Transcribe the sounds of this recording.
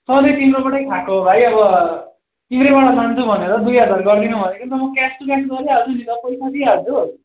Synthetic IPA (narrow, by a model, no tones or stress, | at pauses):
sʌd̪ʌjt̪inɾobʌʈʌjkʰakobʱajʌbʌ | iɾebaɽasant͡s̪ʰubʱʌneɾʌd̪ujɦʌd͡zarɡʌrd̪inubʱʌnekont̪ʌmʌkɛsʈ̪ukasɡʌɾiɦʌd͡zunit̪ʌpʌjsat̪iɦʌd͡zu